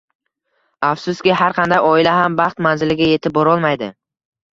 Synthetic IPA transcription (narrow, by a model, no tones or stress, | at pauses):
afsʊst̪kʲɪɦaɾqʰɑnd̪ajɒɪlaɦambɑχt̪manzɪlɪɡʲaje̞t̪ʰɪp̚bɒɾɒlˠmajd̪ɪ